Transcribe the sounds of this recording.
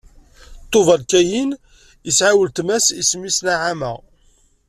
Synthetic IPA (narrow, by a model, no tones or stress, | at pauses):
t̪ˤːovəlkæjin | əsʕawəlt̪mæsismːisnaʕamæ̰